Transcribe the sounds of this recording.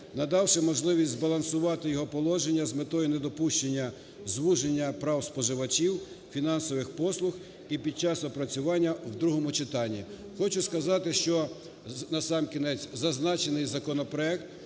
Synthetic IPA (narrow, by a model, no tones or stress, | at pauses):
nɐd̪ɑwʃɪmɔʒlˠɪʋʲisʲzbɐlˠɐnsʊʋɑt̪ɪjɔɦɔpɔlˠɔʒenʲːɐzmet̪ɔjined̪ɔpuʃt͡ʃenʲːɐ | zʋuʒenʲːɐpɾɑwspɔʒɪʋɐt͡ʃiw | fʲinɑnsɔʋɪxpɔslˠʊx | ipʲid̪̚t͡ʃɑsɔpɾɐt͡sʲʊʋɑnʲːɐwd̪ɾuɦɔmʊt͡ʃɪt̪ɑnʲːi | xɔt͡ʃʊskɐzɑt̪ɪʃt͡ʃɔ | nɐsɑmkʲinɛt͡sʲzɐznɑt͡ʃenɪjzɐkɔnɔpɾɔɛk̚t̪